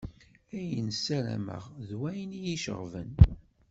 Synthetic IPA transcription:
æjənsæɾæ̰mə̰ʁðwæjnijiʃə̰ʁvən

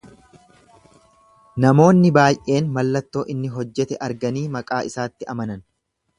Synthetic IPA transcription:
nɐmo̞ːnːɪbaːjʔe̞ːnmɐlːɐt̪ːo̞ːʔɪnːɪɦɔd͡ʒːɛt̪ɛʔɐɾɡɐniːmɐkʼaːʔɪsaːt̪ːɪʔɐmɐnɐn

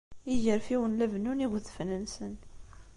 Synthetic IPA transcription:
iʝəɾfiwənlævnuniɣðfnənsən

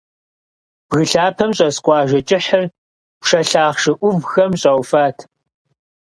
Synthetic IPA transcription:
b̥ɣɨɬaːpʰɐmɕʼɐsqʷɑːʒɐt͡ʃʼɪħər | pʂɐɬaːχʂɨʔʷʊvxɐmɕʼɐwfaːtʰ

